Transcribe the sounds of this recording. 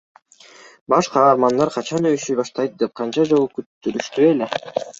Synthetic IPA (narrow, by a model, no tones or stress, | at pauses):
bɑʃqɑːɾmɑnd̪ɑɾqʰɑt͡ʃɑnøjyʃyjbɑʃt̪ɑjt̪̚d̪e̞p̚qʰɑnt͡ʃɑd͡ʒolˠukyt̪ːyɾyʃt̪ye̞le̞